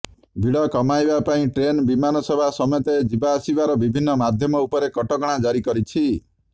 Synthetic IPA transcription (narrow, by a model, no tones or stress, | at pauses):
bʱiɽɔkɔmajbapaĩʈɾenbimanɔsɔbʱasɔmet̪ed͡ʒibaːsibaɾɔbibʱinːɔmad̪ʱjɔmɔupɔɾekɔʈɔɡɔɽ̃ad͡ʒaɾikɔɾit͡ʃʰi